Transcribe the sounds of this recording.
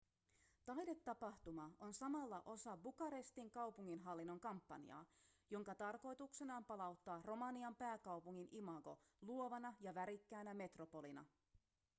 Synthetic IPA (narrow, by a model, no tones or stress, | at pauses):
t̪ɑjde̞t̪ːɑpɑht̪umɑo̞nsɑmɑlːɑʔo̞sɑbukɑɾest̪iŋkɑwpuŋːinɦɑlːinːo̞ŋkɑmpːɑ̰nḭɑ̰ːjo̞ŋkɑt̪ɑrko̞jt̪ukse̞nɑːmpɑlɑwt̪ːɑːro̞mɑniɑmpæːkɑwpuŋːinimɑɡo̞̰luo̞ʋɑnɑjɑʋæɾikːæːnæme̞t̪ro̞po̞linɑ̰